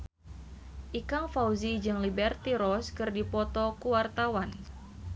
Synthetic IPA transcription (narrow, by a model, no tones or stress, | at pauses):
ʔikaŋfawzid͡ʒɨŋlibɛrt̪iɾɔskɨrdipɔt̪ɔkuwart̪awan